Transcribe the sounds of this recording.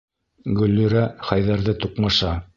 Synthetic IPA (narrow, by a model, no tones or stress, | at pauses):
ɡɵ̆lːɵ̆ɾæχæjðæɾðɘt̪uqmɑʃɑ